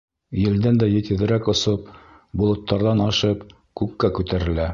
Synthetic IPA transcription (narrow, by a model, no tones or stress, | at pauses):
jɘ̆ld̪ænd̪æjɘ̆t̪ɘ̆ðɘ̆ɾækŏsɤp̚ | bulˠɤ̆t̪ːɑɾðɑnɑʃɤp | kʉkːækʉt̪æɾɘ̆læ